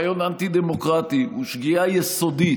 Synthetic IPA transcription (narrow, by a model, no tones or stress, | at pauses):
jonant̪id̪emokʁat̪iuʃɡiajɛsod̪i